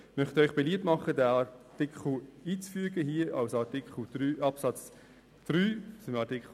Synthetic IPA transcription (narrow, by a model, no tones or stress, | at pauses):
mœχt̪œʏχb̥eliːp̚tmɑχədæɑtɪkχl̩iːt͡sfyəɡəɦiːəɑlsɑtikχl̩d̥ɾyːɑpsɑt͡s | d̪̥ɾyːsɪmɑtikχ